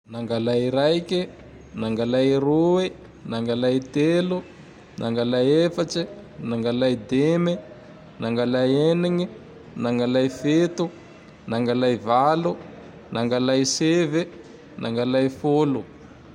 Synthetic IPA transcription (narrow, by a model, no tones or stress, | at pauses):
naŋɡalajɾajki | naŋɡalajrui | naŋɡalajt̪elu | nʔaŋɡalajefat͡ʃinaŋɡalajd̪eme | naŋɡalajeniŋi | naŋɡalajfet̪u | naŋɡalajvalu | naŋɡalajsevi | nʔaŋɡalajfolu